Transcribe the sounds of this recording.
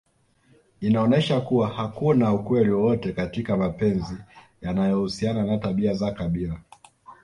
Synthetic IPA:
inaɔnɛʃakuwahakunaukwɛliwɔwɔtɛkatikamapɛnzi | janajɔhusiananataɓiazakaɓila

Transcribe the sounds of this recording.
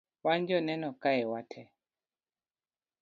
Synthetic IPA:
waɲd͡ʒɔnɛnɔkaɛwatʰɛ

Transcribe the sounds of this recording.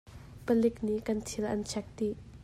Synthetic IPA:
pəlɪkniʔkɐnt̪ʰilʔɐ̰nt͡ʃʰɛk̚t̪iʔ

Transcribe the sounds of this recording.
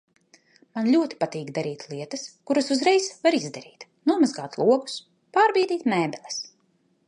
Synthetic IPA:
manlʲuɔt̪i̥pat̪iːɡd̪aɾiːt̪lˠiɛt̪askuɾasuzɾɛjsvaɾizd̪aɾiːt̪ | nuɔmazɡaːt̪lˠuɔɡu̥s | paːɾbiːd̪iːt̪mɛːbʲɛlʲˠɛ̥s

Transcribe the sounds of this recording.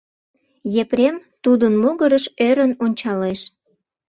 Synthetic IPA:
jepɾʲemt̪ud̪ənmoɣəɾəʃøɾənonʲt͡ɕɑleʃ

